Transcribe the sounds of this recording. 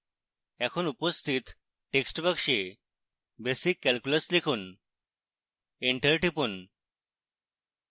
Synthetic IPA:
ɛ̃kʰuːnupəst̪ʰiːt̪ | ʈeksʈbəkʂe | besikːælkjuləslikʰuːn | eɳʈəɾʈipuːn

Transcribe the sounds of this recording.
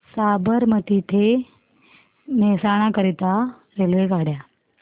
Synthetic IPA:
saːbəɾməʈit̪ʰe | mɛsaːɽ̃ãkəɾit̪a | ɾelʋeɡʱaːɽja

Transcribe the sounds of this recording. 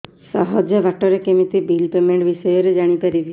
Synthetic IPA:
sɔɦɔd͡ʒeʋaʈɔɾekemit̪ibiːlpemẽɳʈʋisɔjɔɾed͡ʒaɽ̃ipaɾib

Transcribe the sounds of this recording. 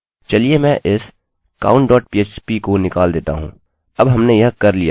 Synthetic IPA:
t͡ʃɐliemɛ̃ʔɪs | ka̰ːʊ̃ɳʈɖɔːʈ̚piːeːt͡ʃpikonɪkaːld̪eːt̪a̰ɦṵ̃ː | ɐbɦɐmnejɐɦkɐɾlija̰ː

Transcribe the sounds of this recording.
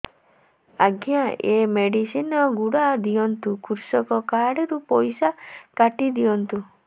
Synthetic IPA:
aɡʱjaʔemeɽisinɔɡuɽad̪iɔnt̪ukʰuɾsɔkɔkaɽɔɾupɔjsakaʈid̪iɔnt̪u

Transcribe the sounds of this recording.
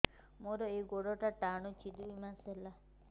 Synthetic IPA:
moɾɔeɡoɽɔʈaʈaɳut͡ʃid̪uimãsela

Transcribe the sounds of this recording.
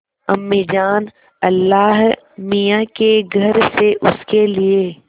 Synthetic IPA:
ɐ̰mːid͡ʒaːn | ɐlːaːɦ | mijakeɡʱɐɾseʔʊskelie

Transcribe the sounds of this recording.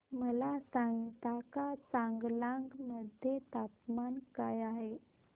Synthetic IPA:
məlasaŋɡt̪akat͡saŋɡlaŋɡməd̪ʱjet̪apmankajaɦe

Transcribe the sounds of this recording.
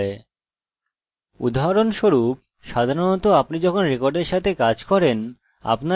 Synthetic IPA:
e | ṵd̪ʱaɦaɾonʃoɾup̚ | ʃad̪ʱaɾonɔt̪oapnid͡ʑɔkʰonɾekoɾɖeɾʃat̪ʰekad͡ʑkɔɾen | a̰pna

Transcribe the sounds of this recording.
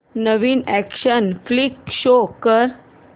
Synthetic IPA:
nəʋiːnækɕənflikɕokəɾ

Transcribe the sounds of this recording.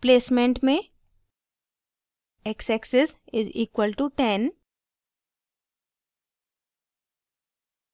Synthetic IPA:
pleːsmẽɳʈmẽ | eksɛksɪsɪzḭːkwəlʈuʈɛ̃n

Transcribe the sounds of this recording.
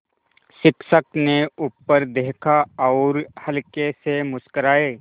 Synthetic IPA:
ʃɪkʃəkneʊpːəɾd̪eːkʰaɔːɾhəlkesemʊskəɾaːeː

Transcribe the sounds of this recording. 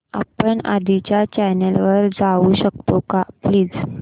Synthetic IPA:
a̰pəɳa̰d̪ʱit͡ɕjat͡ɕɛjnelʋəɾd͡zauɕəkt̪okapliːd͡z

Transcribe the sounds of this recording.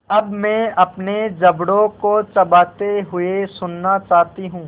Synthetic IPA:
ɐbmɛ̃ːɐpned͡ʒɐbɽõkot͡ʃɐbaːt̪eɦʊesʊnːat͡ʃaːɦt̪iɦũː

